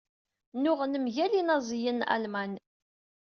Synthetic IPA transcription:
nʊʁnəmʝælinɑzˤjənæ̰lmæn

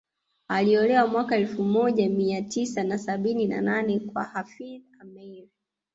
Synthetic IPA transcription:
aliɔlɛwamwakaɛlfumɔʄamiatisanasaɓinina̰nanɛkwa̰hafiðamɛɾi

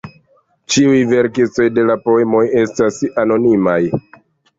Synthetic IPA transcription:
t͡ʃiujve̞ɾkit͡so̞jde̞lapo̞e̞mo̞je̞stasano̞nimaj

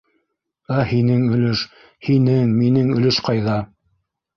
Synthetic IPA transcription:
æhinɘŋɵ̆lɘʃ | hinɘŋminɘŋɵ̆lɘʃqɑjðɑ

